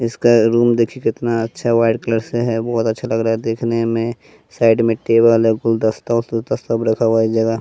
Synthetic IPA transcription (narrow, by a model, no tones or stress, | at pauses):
ɪskaɾuːmd̪eːkʰikɪt̪naɐtːʃʰaʋaːɪɖkləɾseɦɛbɔːt̪ɐtːʃʰalɐɡɾaːɛd̪eːkʰnemẽ | saːɪɖmẽʈeːbəlɛkʊld̪ɐst̪asot̪ɐsɐbɾɐkʰaʋaid͡ʒɐɡa